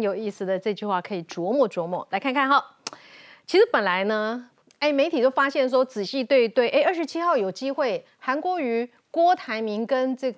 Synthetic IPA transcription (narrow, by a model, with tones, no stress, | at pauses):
njo˨˩ʊi˥˩sɹ̩˨˩d̪ə˨ʈ͡ʂɤ˥˧t͡ɕy˥˧xwa˥˩kʰɤ˧˥i˨˩ʈ͡ʂwɔ˧˥mwɔ˥˩ʈ͡ʂwɔ˧˥mwɔ̰˥˩la˧˥ɪkʰa˥˧nkʰa˥˩nxɑ˨˩˦ʊ | t͡ɕʰi˧˥ʂɻ̩˧˥pə˨˩nla˧˥ɪnə˧ | e˥˩ɪme˧˥ɪt̪ʰi˨˩t̪o˥ʊfa˥ɕjɛ˥˩nʂ̬wɔ˥t͡sɹ̩˨˩ɕi˥˧t̪we˥˧ɪt̪we˥˩ɪʔe˥˧ʔə˞˥˩ʂɻ̩˧˥t͡ɕʰi˥xɑ˥˩ʊjo˨˩ʊt͡ɕi˥xwe˥˩ɪ | xa˧˥nkwɔ˧˥y˧˥ | kwɔ˥t̪ʰa˧˥ɪmi˧˥ŋkə˥nʈ͡ʂɤ˥˩